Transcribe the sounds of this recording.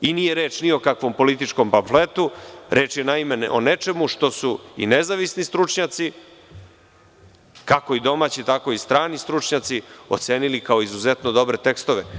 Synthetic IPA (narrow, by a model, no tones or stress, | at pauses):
inijeɾe̞ːt͡ʃniokakʋo̞mpo̞lit̪it͡ʃko̞mpaɱflet̪uɾe̞ːt͡ʃjenaimeʔo̰net͡ʃe̞muʂt̪o̞suḭnezaʋisnist̪ɾut͡ʂɲat̪si | kako̞id̪o̞maːt͡ɕit̪ako̞ist̪ɾaːnist̪ɾut͡ʂɲat̪sio̞t̪seːnilikao̞izuzet̪nod̪o̞bɾe̞t̪e̞kst̪o̞ʋe